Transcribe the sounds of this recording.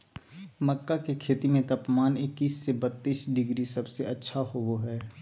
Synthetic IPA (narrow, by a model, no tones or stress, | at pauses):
məkːakekʰeːt̪imẽt̪ɐpmaːnɪkːiːsːebət̪ːiːsɖɪɡɾisɐbseɐtːʃʰaɦooɦɛː